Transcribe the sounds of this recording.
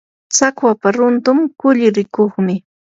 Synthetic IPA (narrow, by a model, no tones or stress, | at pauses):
t͡sakwapaɾʊnt̪ʊmkʊʎɪɾɪkoχmɪ